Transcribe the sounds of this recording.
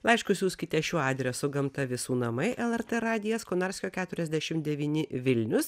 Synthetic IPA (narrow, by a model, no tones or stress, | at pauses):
lˠɐɪʃkʊsʲjuːsʲkʲɪt̪ʲɛʃʲuːɑːd̪ʲɾʲɛsʊɡɐmt̪ɐʋʲɪsuːnɐmɐɪʔɛlˠɛɾt̪ɛɾɑːd̪ʲɪjɛskonɑɾʲsʲkʲoːkʲæːt̪ʊɾʲɛzʲd̪ʲæʃʲɪmd̪ʲɛʋʲiːnʲɪʋʲɪlʲnʲʊs